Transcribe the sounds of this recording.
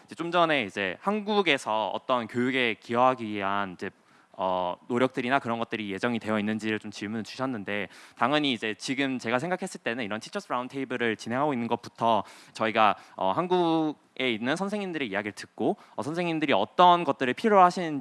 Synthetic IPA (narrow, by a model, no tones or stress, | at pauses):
id͡ʑe̞t͡ɕ͈omd͡ʑʌne̞id͡ʑe̞hanɡuɡe̞sʰʌʌ̰t͈ʌnkjojuɡe̞kiʌɦaɡiiɦanid͡ʑe̞ | ʌ̰noɾjʌk̚t͈ɯɾinakɯɾʌnɡʌt̚t͈ɯɾije̞d͡ʑʌŋitwe̞jʌinːɯnd͡ʑiɾɯɭt͡ɕomt͡ɕiɭmunɯt͡ɕu̥ɕʰʌnːɯnde̞taŋjʌɲiːd͡ʑe̞t͡ɕiɡɯmt͡ɕe̞ɡasʰeŋɡakʰe̞s͈ɯɭt͈e̞nɯniɾʌntʰi̥t͡ɕʰʌs͈ʰɯɾauntʰe̞ibɯɾɯɭt͡ɕinɦe̞ŋɦaɡoinːɯnɡʌt̚p͈utʰʌt͡ɕʌiɡaʌ̰hanɡuɡe̞inːɯnsʰʌnsʰe̞ŋindɯɾe̞iaɡiɭtɯk̚k͈o | ʌsʰʌnsʰeŋindɯɾiʌt͈ʌnɡʌt̚t͈ɯɾɯɭpʰiɾoɦaɕʰinn